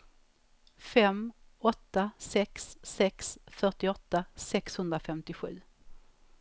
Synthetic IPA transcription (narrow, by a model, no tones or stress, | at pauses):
fɛmɔt̪ːasɛksːɛksfœʈɪɔt̪ːasɛkshɵnd̪ɾafɛmt̪ɪɧʉ̟ː